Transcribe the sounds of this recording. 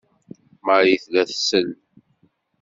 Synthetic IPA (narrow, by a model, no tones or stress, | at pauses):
məɾjiθlæθsəl